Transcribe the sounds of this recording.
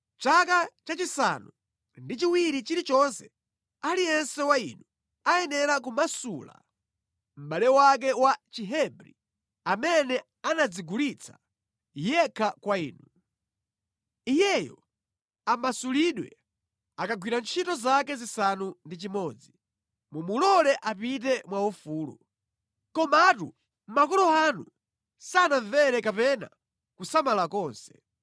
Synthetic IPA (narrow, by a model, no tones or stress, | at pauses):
t͡ʃakat͡ʃat͡ʃisa̰nu | ndit͡ʃiwiɾit͡ʃiɾit͡ʃɔnsɛ̥ | alijɛnsɛwainu | ajɛnɛɾak̬umasula̰ | m̩ɓalɛwak̬ɛwat͡ʃiɦɛbɾḭ | amɛnɛ | anad͡ziɡulit͡sʰḁ̰ | jɛkʰakwaḭːnu | ijɛjɔ̰ | amasuliɗwɛ̰ | akaɡwiɾant͡ʃʰitɔzakɛzisanundit͡ʃimɔːd͡zi | mumulɔlɛʔapit̬ɛmwaufuːlṵ | kɔmatṵ | m̩makɔlɔanu | sanaɱvɛɾɛkapɛna̰ | kusamalakɔːnsɛ̥